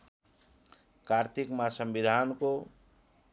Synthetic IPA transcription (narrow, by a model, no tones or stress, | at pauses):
kart̪ʰikmasʌmbid̪ʱanko